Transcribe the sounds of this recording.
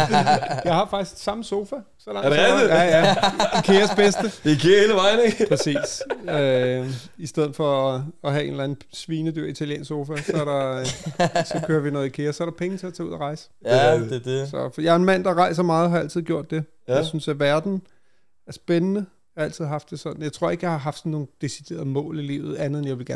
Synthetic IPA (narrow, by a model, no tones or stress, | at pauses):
jɑ̈ɪhɑ̈fɑ̈ɡ̥i̥sɡ̥sɑ̈məso̝ːfæ | sɒ̽lɑ̈ŋdjæjæikʰe̝ɐsb̥esd̥əd̥ekʰeɐeːləʋɑ̈ɪneɡpʰʁɛsḭːsø | isd̥eð̞̰̩ˠfɒ̽ɒɦæe̝n̥læn̩sʋiːnəd̥yɐ̰it͡sʰæljḛːnso̝ːfæsɒ̽æɐɾɑ̈ | sɒ̽øːɐʋinɔ̽ːð̞̩ˠikʰe̝ːɐsɒ̽æɐɾ̥ɑ̈pʰeŋn̩t͡sʰe̝æt͡sʰɛːuðˠɐʁɑ̈ɪsə̥ | sɒ̽jɑ̈æɐenmæn̰d̥ɑ̈ʁɑ̈ɪsɐmɑ̈ːð̞̩ˠɦɑ̈æl̰t͡sʰið̞̰ˠɡjo̝ɐ̰d̥e̝ | jasynsæɐʋæɐd̥n̩ | æɐsb̥enənə | ɑæl̰t͡sið̞̰ˠɦɑ̈fd̥e̝sɒ̽d̥n̩jɑ̈ɪt͡sʰʁo̝ɐ̰e̝ɡ̥əjɑ̈ɪhɑ̈ɦɑ̈fd̥sɒnːo̝ːn̩d̥e̝sid̥e̝̰ːɐð̩ˠmɔ̰̽ːlilḭːʊð̩ˠænð̩ˠenjɑ̈ɪʋe̝lɡæɐn